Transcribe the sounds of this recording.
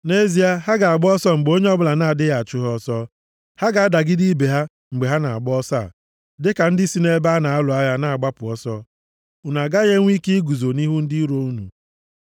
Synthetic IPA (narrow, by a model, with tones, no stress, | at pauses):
ne˦zi˨a˦ɦa˦ɡa˨a˨ɡ͡bɔ˦sɔ˦ŋ͡m̩˨ɡ͡bo˦ɲe˦ɔ˦bʊ˦la˨na˦˨dɪ˦ja˨t͡ʃʊ˦ɦɔ˦sɔ˦ | ha˦ɡa˨a˦da˨ɡɪ˦di˦be˨ɦa˦ | ŋ͡m̩˨ɡ͡be˨ɦa˦na˨a̰˨ɡ͡bɔ˦sa̰˦˨ | dɪ˦ka˨n̩˦dɪ˦si˦ne˦ba˦na˨a˦lʊ˨a˦ja˦na˦a˨ɡ͡ba˦pʊ˨ɔ˦sɔ˦ | u˨na˨ɡa˦ɣe˦ŋʷ˦i˦ke˦ɡu˨zo˨ni˦ɦu˦n̩˦di˦ɾo˦u˦nṵ˨